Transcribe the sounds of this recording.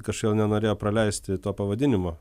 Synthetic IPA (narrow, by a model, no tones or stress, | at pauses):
kɐʃjɛːlˠnʲɛnoːɾʲeːjoːpɾɐlʲɛɪsʲt̪ʲɪt̪oːpɐʋɐd̪ʲɪnʲɪmoː